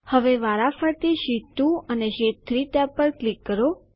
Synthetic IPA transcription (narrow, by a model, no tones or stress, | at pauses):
həʋeʋaɾafəɾt̪iʃit̪ːũəneʃet̪ɾit̪apəɾklikːəɾo